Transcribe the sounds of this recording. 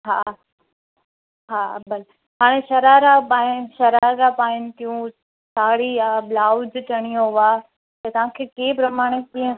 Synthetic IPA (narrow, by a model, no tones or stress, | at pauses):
ɦaː | ɦaːbɐl | ɦaːɽ̃eʃɐɾaːɾapaːɪnʃɐɾaːɾapaːɪnɪt̪ijũ | saːɽiablaːʊd͡ʑt͡ɕɐɽ̃ijoɦʊa | t̪ɐt̪ɐʋ̤ãkʰeːkeːpɾɐmaːɽ̃ekĩːə̃